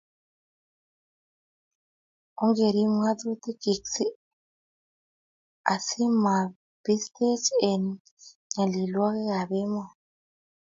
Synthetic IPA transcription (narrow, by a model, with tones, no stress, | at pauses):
u˦ŋɡe˨ɾi˦m˦a˦t̪u˦t̪i˦ɡi˨ksi˦ | a˨si˦ma˨ | b̥i˦st̪e˦t͡ʃʼe˨n˦ | ɲa˨li˨lwa˦ke˦ɣa˨be˦ma˨